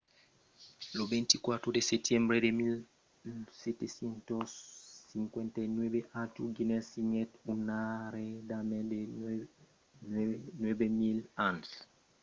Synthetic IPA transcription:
lobɛ̃ntikwat̪ɾodesɛtjɛ̃mbɾedemil | sɛtesjɛntɔsiŋkwɛntanwɛbeʔatuɡinɛsiŋɛtunaɾedamɛ̃de | nnwɛbemilãnt

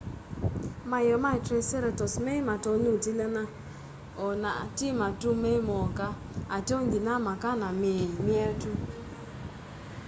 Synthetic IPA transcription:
majɔmatɾeseɾetɔsmematɔnutilana | ɔnatimatumemɔka | ateŋɡinamakanameɲmjɛtu

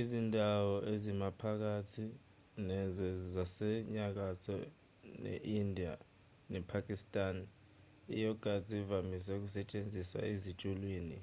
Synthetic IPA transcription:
izindʱawɔʔezimapʰak̬atʰi | nɛzɛzasɛɲak̬atʰɔ̰ | nɛ̰ʔindʱia̰ | nɛpʰakʼistʼan | ḭjɔɡ̥ʱazʱivamis̬ɛuk̬usɛt͡ʃʼend͡zʱisa̰ezit͡ʃʼulwiːni

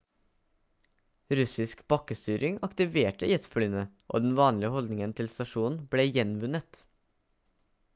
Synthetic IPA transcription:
ɾʉsɪskb̥ɑkəst̪yːɾʔɪŋɑkt̪ɪʋeːʈəiɛt̪flyːnəʔo̰ːd̪ɛnʋɑːnlɪəhɔld̪nɪŋənt̪ʰɪlst̪ɑʃuːnn̩bleːjɛnʋʉnət̪

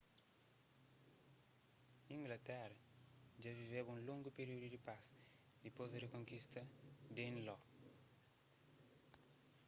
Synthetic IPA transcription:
ĩŋɡlɐt̪ɛɾɐ | d͡ʒaviveβũnlõŋɡupeɾiud̪ud̪ipas | d̪ipozd̪eɾekõŋkist̪ɐd̪ẽnlɔ

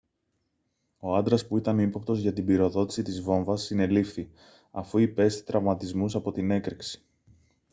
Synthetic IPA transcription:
o̞ɐnd̪ɾɐspuit̪ɐnipop̚t̪o̞zʝɐt̪ibiɾo̞ðo̞t̪i̥sit̪izvo̞ɱvɐsːine̞lifθi | ɐfuipe̞st̪i̥t̪ɾɐvmɐt̪izmusɐpo̞t̪ine̞kɾeksi̥

